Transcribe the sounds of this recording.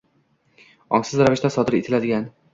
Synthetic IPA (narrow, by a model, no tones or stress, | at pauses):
ɒ̰ŋsɪzɾavɪʃt̪asɒd̪ɪɾet̪ʰɪlad̪ɪɡʲan